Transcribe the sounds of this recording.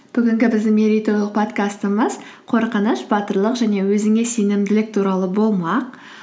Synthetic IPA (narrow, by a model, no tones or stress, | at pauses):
b̥ʏɡʲɪŋɡʲɪbɪzd̪ɪŋmeɾʲit̪o̞lˠəq̚pʰo̞t̪kast̪əməz | qʰo̞ɾqənəʃb̥ɑt̪əɾlˠəqʒæne̞wɵzɪŋe̞senɪmd̪ɪlɪk̚t̪ʰuɾɑlˠəbo̞lˠmɑq